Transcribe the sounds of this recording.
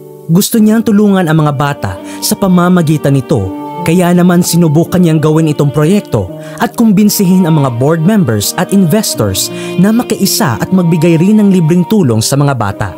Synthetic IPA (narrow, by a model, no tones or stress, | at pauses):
ɡʊst̪oɲaŋt̪ʊluːŋɐnɐŋmɐŋabaːt̪ɐ̰ʔsɐpɐmaːmɐɡiːt̪ɐnɪt̪o̞̰kɐjanɐmansɪnʊbukɐɲːaŋɡɐwɪnɪt̪o̞ŋpɾo̞jɛk̚t̪o̞̰ | ʔɐt̪̚kʊmbɪnsɪɦɪnɐŋmɐŋaboɹd̪̚mɛmbɛɹsɐt̪̚ʔɪnvɛst̪o̰ɹsnɐmɐkɐʔɪsa̰ʔɐt̪̚mɐɡ̚bɪɡajɾɪnːɐŋlibɾɪŋt̪uːlo̞ŋsɐmɐŋaba̰ːt̪ɐ̰ʔ